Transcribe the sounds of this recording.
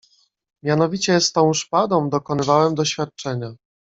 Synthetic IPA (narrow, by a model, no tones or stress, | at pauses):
mʲjanɔvʲit͡ɕɛst̪ɔ̃w̃ʂpad̪ɔ̃w̃d̪ɔkɔnɘvawɛmd̪ɔɕfʲjat̪̚t͡ʂɛɲa